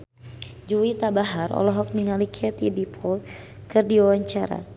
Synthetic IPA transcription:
d͡ʒuwit̪abaɦarɔ̰lɔɦɔk̚niŋalikʰɛt̪idipʰɔlt̪̚ | kɨrdiawaɲt͡ʃaɾa̰

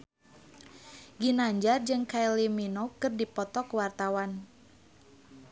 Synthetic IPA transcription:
ɡinaɲd͡ʒard͡ʒɨŋkajliminokɨrdipɔt̪ɔkwart̪awan

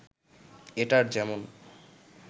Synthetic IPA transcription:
eʈaɾd͡ʑɛmon

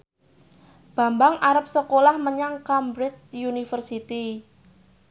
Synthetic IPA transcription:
b̥a̤mbaŋʔaɾəp̚səkolahməɲaŋkambɾɪt̪̚junifərsit̪i

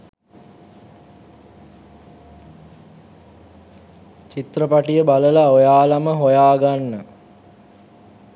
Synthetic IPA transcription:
t͡ʃit̪rəpaʈijəbaləlaojaːlaməɦojaːɡanːə

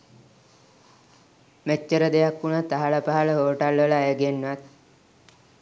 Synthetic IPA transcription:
met͡ʃːəɾəd̪ejakːunat̪aɦaɭəpaɦaɭəɦoːʈalʋələːjəɡenːʋat̪̚

